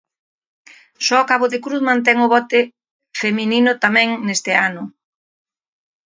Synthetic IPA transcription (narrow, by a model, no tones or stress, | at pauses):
sɔɔkaβʊðekɾuθmãnt̪̬ɛŋʊβɔt̪ɪ | femininʊt̪amɛ̃ŋnest̪ɪanʊ